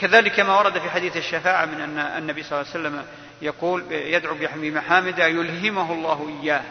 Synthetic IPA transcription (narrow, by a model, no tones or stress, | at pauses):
kaðaːlɪkːamawɑɾˤɑd̪afiːħad̪iːθaʃːafaːʕamɪnʔanːaanːabijsˤlɑːsalːam | jɑquːljad̪ʕubɪbɪmaħaːmɪd̪ajʊlɦɪmʊɦlˤːɑːhʔɪjːaːh